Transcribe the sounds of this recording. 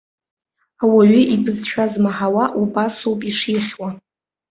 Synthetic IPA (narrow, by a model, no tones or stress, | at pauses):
awaɥʏʔibɨzʃʷᶣazmaħawaʔubasowpʼiʂiχʲwa